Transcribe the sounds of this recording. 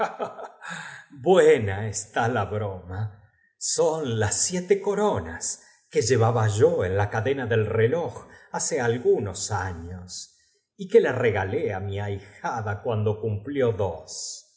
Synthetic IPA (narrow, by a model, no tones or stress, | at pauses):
bwenaest̪alaβɾoma | sonlasːjet̪eko̞ɾona̰s | keʒe̞βaβaʒoenlakaðe̞naðe̞lreloxasealɣunosaɲos | ikelare̞ɣaleamiajxaðakwand̪o̞kumpljo̞ðos